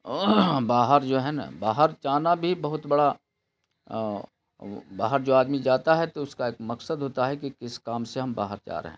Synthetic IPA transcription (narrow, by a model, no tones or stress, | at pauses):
baːɦəɾd͡ʒoːɦɛna̰baːɦəɾt͡ʃaːnabʱibɐɦʊt̪bɐɽa | baːɦəɾd͡ʒoːaːd̪mid͡ʒaːt̪aɦɛt̪oʊskaeːk̚mɐksəd̪ɦoːt̪aɦɛk̬ikɪskaːmseɦɐmba̰ːɦəɾt͡ʃa̰ːɾḛɦɛ̰̃ː